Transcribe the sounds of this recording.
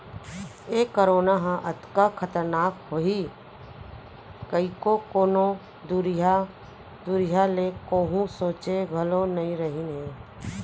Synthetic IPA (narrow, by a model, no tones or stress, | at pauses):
eːkəɾoːnaɦãʔət̪kakʰət̪əɾnaːkɦoːi | kəikokoːno | d̪uɾa | d̪uɾɪjalekoːɦũsõːt͡ʃeɡʱəlonɐĩɾəɦinɦẽː